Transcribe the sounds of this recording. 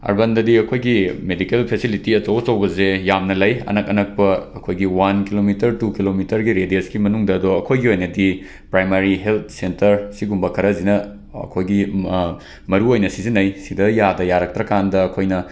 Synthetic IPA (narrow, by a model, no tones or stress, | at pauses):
ɐ̰ɾbɐndɐdiɐkʰojɡimedikelpʰesilitiɐtɐwt͡ʃɐwɡɐzejamnɐlɐjɐ̰nɐkɐnɐk̚pɐɐkʰojɡiwankilomitɐɾtukilomitɐɾɡiɾedeskimɐnuŋdɐːdoɐkʰojɡiojnɐdi | pɾajmaɾiɦelt̪̚ʰsentɐɾsiɡumbɐkʰɐɾɐzinɐ̰ː | kʰojɡi | mɐɾuojnɐsizinɐjsidɐjadɐjaɾɐk̚tɾɐkandɐːkʰojnɐ